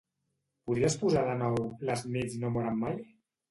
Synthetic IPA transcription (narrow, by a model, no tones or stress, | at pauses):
puðɾiaspuzaðənɔwləznezinomuɾamːaj